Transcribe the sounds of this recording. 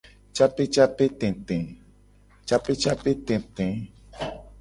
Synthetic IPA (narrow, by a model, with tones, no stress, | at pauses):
t͡ʃa˦pe˦t͡ʃa˦pe˦t̪ɛ̃˨t̪ɛ̃˨ | t͡ʃa˦pe˦t͡ʃa˦pe˦t̪ɛ̃˨t̪ɛ̃˨